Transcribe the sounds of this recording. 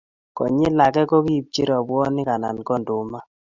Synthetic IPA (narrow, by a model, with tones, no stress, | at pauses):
kɔ̰˨ɲe˦la˨kɛ˦kɔ˦ki˦˨p̚t͡ʃi˦ɾɔ˨bwɔ˦nɪ˦ka˨na̰˨nkɔ˦˨ndʊ˨ma˦